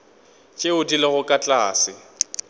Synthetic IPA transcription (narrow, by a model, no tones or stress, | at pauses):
t͡ʃʼeʊdileɣʊkʼat͡ɬʼaːsɪ